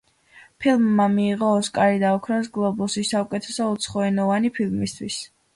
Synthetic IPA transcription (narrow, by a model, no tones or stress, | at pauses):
pʰilˠmːamiːʁɔːskʼaɾid̪aɔkʰɾɔs̬ɡlˠɔbulˠsisaukʼɛt̪ʰɛsɔut̪sʰχɔɛnɔvanipʰilˠmist̪ʰwis